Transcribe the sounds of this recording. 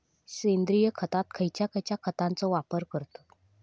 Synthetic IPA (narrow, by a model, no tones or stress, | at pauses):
ɕend̪ɾijəkʰət̪at̪kʰəjt͡ɕjakʰəjt͡ɕjakʰət̪ãnt͡sɔʋapəɾkəɾt̪o̥